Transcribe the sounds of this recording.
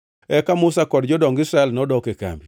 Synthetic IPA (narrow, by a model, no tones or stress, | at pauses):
ɛkamʊsakɔdd͡ʒɔdɔŋɡɪsɾaɛlnɔdɔkeka̰mbi